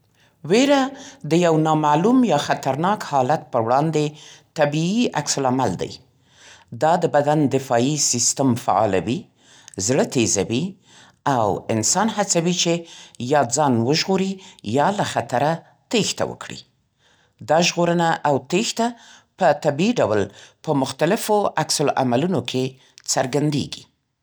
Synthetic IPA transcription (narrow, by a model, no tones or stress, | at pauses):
weɾad̪əjawnɑmalumjɑxat̪aɾnɑkhɑlat̪̚pəwɽɑnd̪et̪abiiaksʊlamald̪a̰j | d̪ɑd̪əbad̪and̪ɪfɑisist̪əmfa̰ɑ̰la̰wi | zɽət̪ezawi | awɪnsɑnhat͡sawit͡ʃejɑd͡zɑnwəʒɣoɾijɑlaxat̪aɾa | t̪ext̪a̰wə̰kɽḭ | d̪ɑʒɣoɾənaʔawt̪ext̪apət̪abiiɖawlpəmʊxt̪alɪfoaksʊlʔa̰malunokʰe | t͡səɾɡand̪ḛɡi̥